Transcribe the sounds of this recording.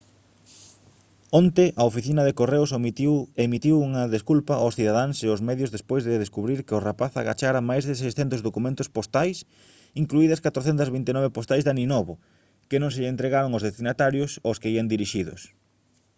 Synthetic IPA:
ont̪ɪʔɐofiθinɐðekoreʊsemit̪iwuŋɐðeskulpɐʔasθiðaðaŋseʊzmɛðjʊzðespojzðɪðeskuβɾiɾkɪʊrapaθa̰ɣa̰t͡ʃaɾɐmajzðɪs̬ejsθɛnt̪ʊzðokumẽnt̪ʊspost̪ajs | iŋkluiðɐskat̪ɾoθɛnt̪ɐzβint̪enɔβepost̪ajzðaninɔβʊ | kɪnõŋseʎent̪ɾeɣaɾoŋʊzðest̪inat̪aɾjʊsoskeiɐnd̪iɾiʃiðʊ̰s

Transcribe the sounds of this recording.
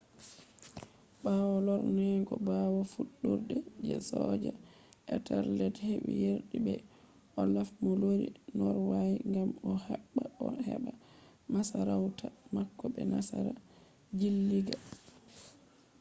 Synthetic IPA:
baːwɔlɔɾnɛɡɔbawɔfuɗːuɾdɛd͡ʒɛ̰sɔːd͡ʒa | ʔɛtʰaɾlɛthewḭjeɾɗibɛ | ʔɔlafmɔloɾḭnɔɾwajiŋɡamɔhaɓːaɔhɛɓa | masaɾawtʰamakːɔɓɛnasaɾa | d͡ʒilːiɡa

